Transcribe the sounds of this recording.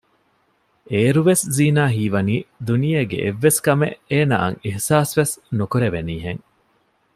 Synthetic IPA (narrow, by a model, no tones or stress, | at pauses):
eːɾuʋesziːnaːɦiːʋɐniːd̪unijeːɡḛʔeʋːeskɐmeʔeːna̰ːɐ̰ŋihsaːsʋesnukuɾeʋeniːɦeŋ